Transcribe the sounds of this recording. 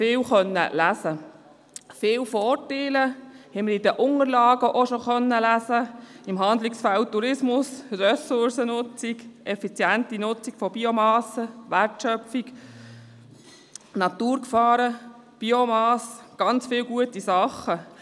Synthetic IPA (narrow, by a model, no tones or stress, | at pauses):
fɪːwχœnːə̰læzə | fɪːwfɔteːləhɛməɾidəʔʊŋəɾlɑːɡəʔoʃoχœnːəlæzəɪmɦɑnd̪lɪksfæltːuɾɪsmʊsrɛsʊɾsənʊt͡siɡʔɛfit͡sjæntinʊt͡siɡ̥fɔbiomɑːsəʋærtʃœfiɡ | nɑt̪uːɾkfɑːɾə | b̥iomɑːsɡ̥ɑnt͡sfɪːwɡuətisɑχə